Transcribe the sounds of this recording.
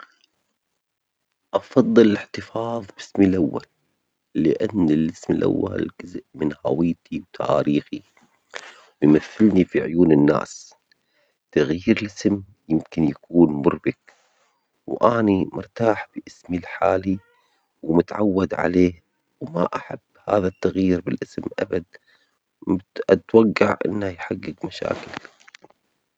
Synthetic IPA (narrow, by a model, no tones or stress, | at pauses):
ʔɑfɑðˤːɨlɪlɪħt̪ɨfɑːðˤbɪsmilʔawːalː | ɪʔanːɪlɪsmɪlʔa̰wːa̰lɡɪzʔmɪnha̰wɪjt̪ʰiwt̪ʰa̰ʔa̰ːɾiːxi | wɪjmaθːɪlnifiʕʊjuːnɪnːa̰ːs | t̪aɣjiːɾlʔɪsm | jɪmkɪnjakuːnmʊrbɪk | wʔaːnimʊɾˤt̪aːħb̥ɪʔɪsmilħaːli | wmʊt̪aʕawːad̪ʕa̰leː | wma̰ʔaħabːha̰ːðat̪ːaɣjiːɾbɪlʔɪsmʔa̰bad̪̚ | ʔat̪waɡːaʕʔɪ̰nːajħaɡːɪɡmaʃa̰ːkɪll